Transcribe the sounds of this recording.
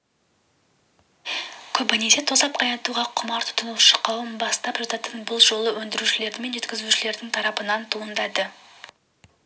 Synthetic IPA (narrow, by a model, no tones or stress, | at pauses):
kʲʰɵbɪnese̞t̪ʰosɑp̚qʰɑj̪ɑt̪uʁɑqʰʊmɑɾt̪ʰʊ̥t̪ʰənəlˠʃə̥qʰːɑwəmbɑst̪ɑpʒɑt̪ɑt̪ənbʊlˠʒo̞lˠəwɵnd̪ɪɾuʃɪle̞ɾd̪ɪme̞nʒe̞t̪̚ʲkʲɪzuʃɪle̞ɾd̪ɪŋt̪ʰɑɾɑpənɑnt̪ʰuənd̪ɑd̪ə